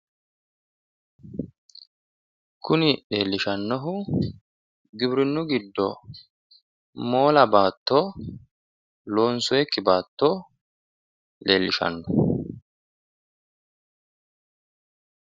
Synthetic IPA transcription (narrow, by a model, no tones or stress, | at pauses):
kʊnɪɗe̞ːlːɪʃɐnːɔɦʊ | ɡɪbɾɪnːʊɡɪd̪ːɔ | mo̞ːlɐbaːt̪ːo | lo̞ːnsʊjɛkːɪbaːt̪ːo | le̞ːlːɪʃɐ̰nːɔ